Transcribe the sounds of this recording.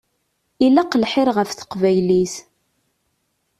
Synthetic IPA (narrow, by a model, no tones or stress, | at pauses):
ilaqəlħɪɾʁəfθə̥qvæjlis